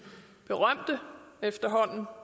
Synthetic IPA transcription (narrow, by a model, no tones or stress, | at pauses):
b̥e̝ʁɶm̰d̥əefd̥ɐɦɒ̽n̰n̩